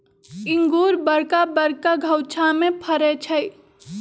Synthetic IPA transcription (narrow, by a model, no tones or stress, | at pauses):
ɪŋɡuːɾbəɽkabəɽkaɡʱəwt͡ʃʰamepʰəɾɛt͡ʃʰəɪ